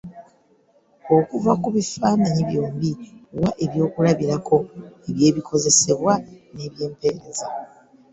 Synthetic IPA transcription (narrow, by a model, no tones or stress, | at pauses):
o̞kuvakuβifaːnaɲiβjo̞ːmbiowaʔe̞βjo̞ːkulaβiɾakʰo̞eβje̞ːβikʰo̞ze̞se̞βwane̞ːβje̞ːmpe̞ːɾe̞za